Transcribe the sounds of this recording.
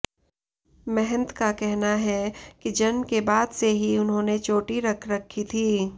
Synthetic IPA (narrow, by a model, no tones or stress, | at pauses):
mɛɦɛ̃nt̪kakɛɦnaɦɛkid͡ʒɐnmkebaːd̪seɦiʊnɦõːnet͡ʃoːʈiɾɐkʰɾɐkʰːit̪ʰiː